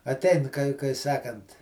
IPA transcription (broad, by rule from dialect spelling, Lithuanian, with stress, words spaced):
ɐˈtʲɛɪn kɐɪ kɐɪ ˈsɑːkɐnt